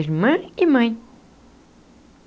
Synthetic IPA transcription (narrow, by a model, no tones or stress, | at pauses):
ʒmɐ̃imɐ̃j̃